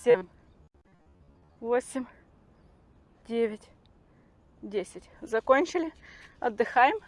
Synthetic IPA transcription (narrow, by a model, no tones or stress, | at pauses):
sʲem | vo̞sʲɪmʲ | dʲevʲɪtʲ | dʲesʲɪtʲzɐkonʲt͡ɕɪlʲɪɐd̪ːɨxajɪm